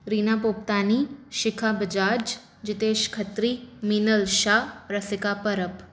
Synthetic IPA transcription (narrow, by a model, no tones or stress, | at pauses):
ɾiːnaːpoːp̚t̪aːniʃɪkʰabəd͡ʒaːd͡ʒ | d͡ʒɪt̪eːʃkʰɐt̪ɾiminəlʃaːɾɐsɪkapəɾəp